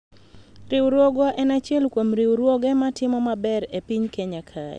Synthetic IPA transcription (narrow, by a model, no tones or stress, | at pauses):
ɾɪwɾwoɡaʔɛnat͡ʃjɛlkwomɾiwɾwoɡɛmatɪmɔmabɛɾepiɲkeɲakʰa̰ɛ̰